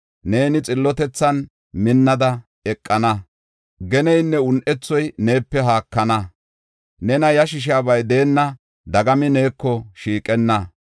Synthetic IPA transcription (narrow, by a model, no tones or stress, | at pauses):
ne̞ːnɪt͡sʼɪlːɔt̪ɛt͡sːɐn | mɪnːɐd̪ɐ | ɛkʼːɐnɐ | ɡɛnɛjnːɛʊnʔɛt͡sːɔjne̞ːpːɛɦaːkːɐnɐ | nɛnɐjɐʃɪʃ̬aːbɐjd̪e̞ːnːɐ | d̪ɐɡɐmɪne̞ːkːɔʃiːkʼɛnːɐ